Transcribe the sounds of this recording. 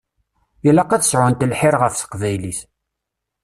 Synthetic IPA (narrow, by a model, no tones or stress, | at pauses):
jəlɑqæθə̥sʕʊnt̪əlħɪɾʁəfsə̥qvæjliθ